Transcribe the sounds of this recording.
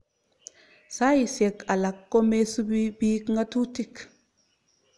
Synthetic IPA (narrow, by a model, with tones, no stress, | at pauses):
sa˦ji˨se˨ka˨la˨kːo˦me˦su˦bi˦biː˦kŋɡa˦tu˦ti˦k